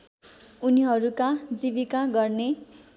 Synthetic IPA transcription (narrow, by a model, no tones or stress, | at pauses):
uniɦʌɾukad͡ziβikaɡʌrne